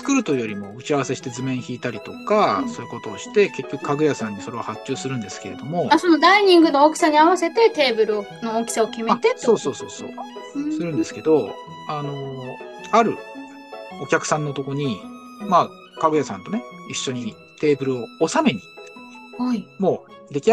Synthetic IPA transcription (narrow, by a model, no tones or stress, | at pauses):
t͡sɨ̥kɯ̟ɾɯ̟t̪o̞i̟jo̞ɾʲimo̞ɯ̟t͡ɕiaβase̞ɕi̥t̪e̞zɨmẽ̞ɰ̃çiːt̪aɾʲit̪o̞kaso̞ːɯ̟ko̞t̪o̞ːɕi̥t̪e̞ke̞kʲːo̞kɯ̟̥kaɡɯ̟jasãɲ̟ːiso̞ɾe̞hat͡ɕt͡ɕːɨːsɨɾɯ̟̃nd̪e̞sɨ̥ke̞ɾe̞̰d̪o̞mo̞so̞no̞d̪aiɲ̟ĩŋɡɯ̟nookʲi̥saɲ̟iaβase̞t̪e̞t̪e̞ːbɯ̟ɾɯ̟onookʲi̥sao̞kʲimeat̪eso̞ːso̞ːso̞ːso̞̰ːsɨɾɯ̃nd̪e̞sɨ̥ke̞d̪o̞ | ano̞ | aɾɯ̟̰ | okʲakɯ̟̥sãnːo̞t̪o̞ko̞ɲ̟i | maː | kaɡɯ̟jasã̰nt̪o̞neiɕːo̞ɲ̟i | t̪e̞ːbɯ̟ɾɯ̟o̞ːsame̞ɲ̟i | mo̞ː | d̪e̞kʲi